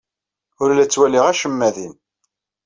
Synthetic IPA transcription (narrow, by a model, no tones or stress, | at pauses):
ʊɾlæt͡sːwæliʁæʃəmːæðin